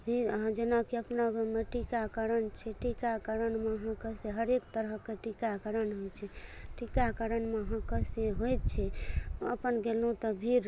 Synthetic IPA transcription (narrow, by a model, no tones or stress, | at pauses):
bʱiɾɦãd͡ʒenakiəpnaɡmeʈikakəɾənt͡ʃʰɛʈikakəɾənmeəɦãkəseɦəɾek̚t̪əɾəɦkeʈikakəɾənɦojt͡ʃʰɛʈikakəɾənmeəɦãkəseɦojt̪̚t͡ʃʰɛəpənɡelũt̪ɔbʱiɾ